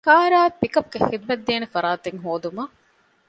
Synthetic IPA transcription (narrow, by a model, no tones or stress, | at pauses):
kaːɾaːpikɐp̚ɡexid̪ʋɐd̪ːeːnefɐɾaːt̪eŋɦoːd̪umɐ